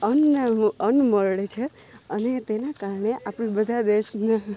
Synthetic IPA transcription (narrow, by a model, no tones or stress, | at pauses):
ənaənməɭɭet͡ʃʰe | ənet̪enakaɾɳeʔapɽ̃ĩbəd̪ʱad̪eʃna